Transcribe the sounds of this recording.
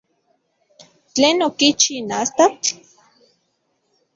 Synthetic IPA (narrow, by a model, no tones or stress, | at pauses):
t͡ɬeːnokit͡ʃinast̪at͡ɬ